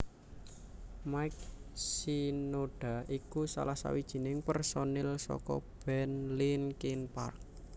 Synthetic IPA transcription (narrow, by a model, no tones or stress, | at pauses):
majk̚sinoɖ̥a̤ʔikusa̰lahsa̰wid̥ʒ̥i̤nɪŋpərsonɛlsɔ̰kɔ̰b̥ɛnlinkinpa̰rk̚